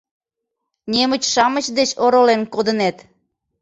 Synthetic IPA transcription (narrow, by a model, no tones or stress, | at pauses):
nʲemət͡ɕʃɑmət͡ɕd̪et͡ɕoɾolenkod̪ənet̪